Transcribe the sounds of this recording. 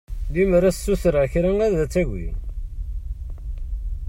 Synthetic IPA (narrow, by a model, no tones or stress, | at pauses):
liməɾæssːuθɾaçɾæŋæðæt͡sːæʝḭ